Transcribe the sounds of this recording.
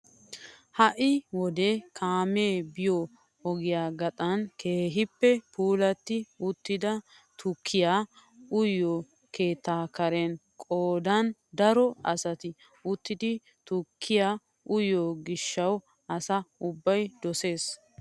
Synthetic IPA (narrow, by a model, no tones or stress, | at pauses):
hɐʔɪwɔd̪ekʰaːme̞ːbɪjo | ɔɡɪjaːɡɐt̪ʼɐnkʰe̞ːɦɪpːɛpʰuːlɐt̪ːɪʊt̪ːɪd̪ɐ | t̪ʊkʰːɪja | ʊjːo | ke̞ːt̪ːaːkɐɾɛnkʼoːd̪ɐnd̪ɐɾɔɐsɐt̪ɪ | ʊt̪ːɪd̪ɪ | t̪ʊkʰːɪjaː | ʔʊjoɡɪʃːɐw | ɐsɐʊbːɐjd̪ɔse̞ːs